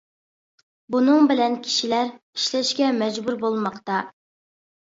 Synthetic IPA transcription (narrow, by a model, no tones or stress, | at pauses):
bunɨŋbɪlɛnkʲʰi̥ʃilæɾ | i̥ʃlɛʃkʲɛmɛd͡ʒbuɾbolˠmɑqt̪ɑ